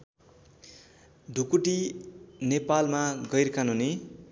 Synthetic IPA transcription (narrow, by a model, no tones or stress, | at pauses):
d̪ʱukuʈinepalmaɡʌjrkanune